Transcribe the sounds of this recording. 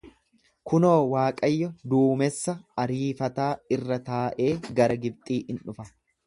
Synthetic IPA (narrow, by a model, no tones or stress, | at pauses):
kʊnoːwaːkʼɐjːɔd̪uːmɛsːɐɐɾiːfɐt̪aːɪrːɐt̪aːʔe̞ːɡɐɾɐɡɪb̚t̪ʼiːʔɪnᶑʊfɐ